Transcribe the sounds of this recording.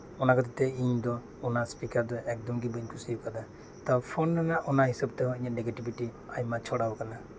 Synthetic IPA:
ɔnakat̪at̪ɛiɲd̪ɔ | ɔnaspikaɾd̪ɔʔɛk̚d̪ɔmɡibəɲkʰusiukad̪a | t̪apʰɔnnanaʔʔɔnaɦisab̚t̪ɛɦɔ̃iɲaʔnɛɡɛʈibiʈiajmat͡ʃʰɔɽabkana

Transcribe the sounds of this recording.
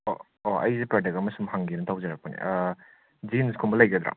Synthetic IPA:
o | oɐ̰jzipɾadekɐmɐsumɦaŋɡinɐtʰawzɐɾak̚pɐnḭ | d͡ʒinskʰumbɐlɐjɡɐd̪ɾa̰

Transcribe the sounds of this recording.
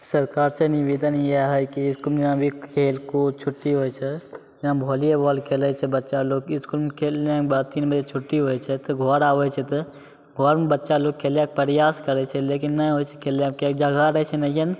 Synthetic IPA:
səɾkaːɾseniʋiːd̪ənjeɦəjkiɪskulmd͡ʒɦãbʱikʰeːlkot͡ʃʰʊʈːiɦoːjt͡ʃʰɛ | jɐɦãbʱoːliebɔlkʰeːlət͡ʃʰɛbətːʃaloːɡɪskulmekʰeːlãkbaːd̪t̪iːnbəd͡ʒet͡ʃʰʊʈːiɦoːjt͡ʃʰɛt̪ɔɡʱɔɾaːʋɛt͡ʃʰɛt̪ɔ | ɡʱoɾmebətːʃaloːɡ̚kʰeːljãk̚pəɾjaːskəɾɛt͡ʃʰɛleːk̬inːəɦoːjt͡ʃʰɛ̥kʰeːlakek̚d͡ʒaɡʱaɾət͡ʃʰɛnəkin

